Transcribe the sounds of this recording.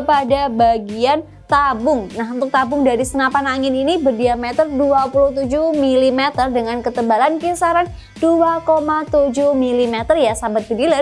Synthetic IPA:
kəpadabaɡian | t̪abʊŋnaɦunt̪ʊk̚t̪abʊŋdaɾisənapanaŋɪninibərdiamɛt̪ərduapuluht̪ud͡ʒuhmilimɛt̪ərdəŋankət̪əbalankisaɾan | d̥uakomat̪ud͡ʒʊhmilimɛt̪ərjasambat̪̚bədilə

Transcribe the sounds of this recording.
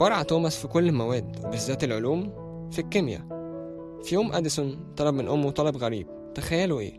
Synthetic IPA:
bɑɾˤʕɑt̪oːmæsfikolːemæwæːd̪wbezːæːt̪elʕoluːm | fikːemjæ̰ | fijoːmʔæd̪æsunt̪ˤɑlɑb̚menʔomːwet̪ˤɑlɑbɣæɾḭːb̚ | t̪æxæjːæluʔḛː

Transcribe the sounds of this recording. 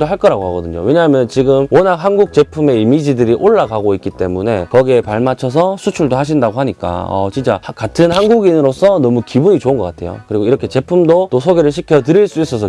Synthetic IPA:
doɦaɭk͈ʌɾaɡoɦaɡʌdɯɲo̰we̞ɲaɦamjʌnɯnt͡ɕiɡɯmwʌnak̚ɦanɡuk̚t͡ɕ͈e̞pʰume̞imid͡ʑidɯɾiʔoɭːaɡaɡoik͈it͈e̞mune̞kʌɡiepaɭmat͡ɕʰʌs̬ʰʌsʰut͡ɕʰuɭdohaɕ̬ʰindaɡoɦaɲik͈a̰ʌ̰t͡ɕint͡ɕ͈a̰katʰɯnɦanɡuɡinɾos͈ʰʌnʌmukibuɲit͡ɕoɯnɡʌk͈atʰe̞̰jo̰kɯɾiɡoiɾʌkʰe̞t͡ɕe̞pʰumdot͈osʰoɡeɾɯɭɕ̬ʰikʰjʌtɯɾiɭs͈uis͈ʌs̬ʰʌ

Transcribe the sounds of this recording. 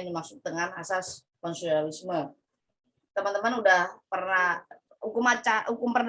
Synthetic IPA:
nimak̚sʊk̚t̪əŋanasas | kɔnsualismə | t̪əmant̪əmanudahpərna | hukʊmat͡ʃahukʊmpərn

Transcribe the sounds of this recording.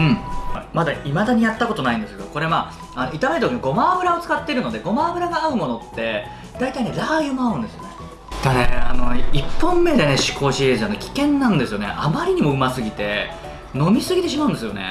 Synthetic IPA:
ɯ̟̃ɴmad̪aimad̪aɲ̟ijat̪ːako̞t̪o̞naĩnd̪esɨke̞d̪oko̞ɾe̞ma | ano̞it̪ameɾɯt̪okʲimiɡo̞maːɡɯ̟ɾao̞t͡sɨ̥kat̪ːe̞iɾɯ̟no̞d̪e̞ɡo̞maːɡɯ̟ɾaɡaaɯ̟mo̞no̞t̪ːe̞ | d̪̥ait̪aine̞ɾajɯmaaɯ̟̃nd̪e̞sɨjo̞ne̞ | d̪anea̰no̞ipːõ̞mːe̞d̪e̞neɕi̥kʰo̞ːɕiezɨanokʲi̥kẽ̞nːãnd̪e̞sɨjo̞ne̞̰ʔa̰maɾʲiɲ̟imo̞ɯ̟masɨɡʲit̪e̞ | no̞mʲisɨɡʲit̪e̞ɕ̬imaɯ̟̃nd̪e̞sɨjo̞ne̞̰

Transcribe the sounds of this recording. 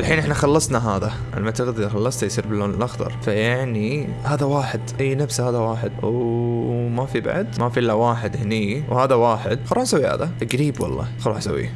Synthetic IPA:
ʔɪlħiːnʔɪħnaxɑlːɑsˤnaɦaːða | ʔa̰lmat̪ɪɣd̪ixɑlːɑsˤt̪ajsˤiːɾbɪlːoːnɪlʔɑxt̪ɑ̰ɾˤfajaʕni | haːðawaːħɪd̪ʔajːnabshaːðawaːħɪd̪w | mafiba̰ʕd̪mafilːawaːħɪd̪hɪniwhaːðawaːħɪd̪̚xɑɾˤɑːʕsawːiha̰ːðaʔaɡɾiːbwɑ̰lˤːɑ̰ːxɑɾˤɑːħsa̰wːḭ

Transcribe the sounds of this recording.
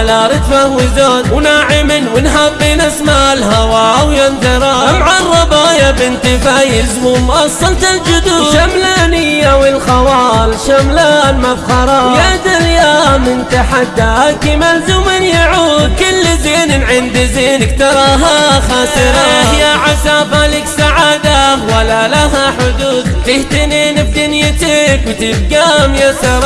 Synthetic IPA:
alaɾˤɪt̪fahwɪzaːnwnaːʕɪmɪnwɪnɦabːɪnasmalɦawaːwjand̪ɪɾˤɑʔamʕarˤːɑbaːjabɪnt̪ɪfajɪzmʊmʔɑsˤːɑlt̪ald͡ʒʊd̪uːʃamlaːnɪjawɪlxɑwaːlʃamlaːnmabxɑɾˤɑːjad̪aljaːmɪnt̪aħad̪ːaʔakɪmalzʊmɪnjaʕukʊlːɪzeːnɪnʕɪnd̪zenɪkt̪ɑɾˤɑɦaxasɨɾɑhjaʕasaːbalɪksaʕaːd̪awalːalaɦaħʊd̪uːd̪t̪ɪht̪ɪnenɪb̚t̪ɪnjɪt̪ɪkwt̪ɪbɡamjasɑɾˤ

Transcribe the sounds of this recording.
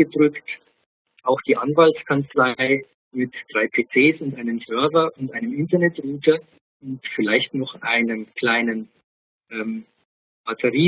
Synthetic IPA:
ədʁʏkt | ʔaʊxd̥iːʔanvaltskʰant͡slaɪ | mɪtd̥ʁaɪpʰeːt͡seːsʊntʔaɪnəmsœɐvɐʔʊntʔaɪnəmɪntɐnɛtʁuːtɐ | ʔʊntfɪlaɪçtnɔχʔa̰ɪnəmkʰl̥aɪnən | ʔɛːm | b̥atʰəʁiː

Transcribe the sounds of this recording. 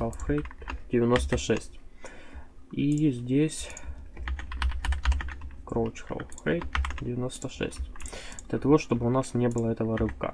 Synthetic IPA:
alˠfxejt̪dʲɪvʲɪno̞st̪əʂɛ̰sʲtʲ | izʲdʲesʲ | kɾot͡ɕxa̰lˠfxejt̪dʲɪvʲɪno̞st̪əʂɛ̰sʲtʲd̪lʲət̪ɐvo̞ʂt̪o̞bɨʊnasnʲebɨlˠəɛt̪əvəɾɨkə̰

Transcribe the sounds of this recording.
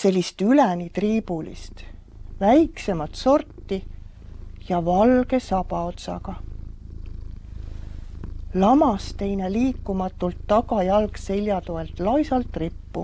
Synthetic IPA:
se̞lʲːist̪ylænit̪riːb̥ulḭst̪ | væjkse̞mɑt̪so̞rt̪ːi | jɑvɑlɡe̞sɑpɑo̞t̪sɑ̰ɡ̥ɑ | lɑmɑst̪e̞jneliːkˑːumɑt̪ːult̪ːɑɡɑjɑlkse̞lʲjɑt̪oelt̪ˑlɑjsɑlt̪ːˑripːu

